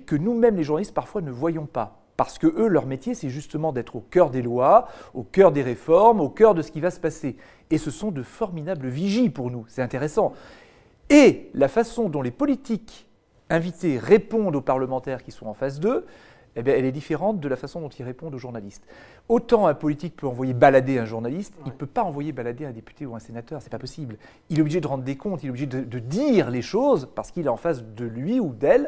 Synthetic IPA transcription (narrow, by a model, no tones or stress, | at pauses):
kənumɛmleʒuʁnalist̪paʁfwanəvwajɔ̃pa | paʁsə̥kəʔølœʁmet̪jesɛʒyst̪əmɑ̃d̪ɛt̪χokʲœʁd̪elwaokʲœʁd̪eʁefɔʁmokʲœʁd̪əsə̥kʲivasə̥pase | esəsɔ̃d̪əfɔʁmid̪abləviʒipuʁnusɛt̪ɛ̃t̪eʁesɑ̃ | elafasɔ̃d̪ɔ̃lepɔlit̪ik | ɛ̃vit̪eʁepɔ̃d̪opaʁləmɑ̃t̪ɛʁkʲiswɔ̃ɑ̃fas̬d̪ø | ebjɛ̃ɛlɛd̪ifeʁɑ̃t̪̚d̪əlafasɔ̃d̪ɔ̃t̪ilʁepɔ̃d̪oʒuʁnalist̪ | ot̪ɑ̃ɛ̃pɔlit̪ik̚pøɑ̃vwajebalad̪eɛ̃ʒuʁnalist̪ilpøpaɑ̃vwajebalad̪eɛ̃d̪epy̥t̪euɛ̃senat̪œʁsɛ̥papɔsibl | ilɛobliʒed̪əʁɑ̃d̪ʁd̪ekɔ̃t̪ileɛobliʒed̪əd̪əd̪iʁleʃozpaʁsə̥kilɛɑ̃fasd̪əlɥiud̪ɛl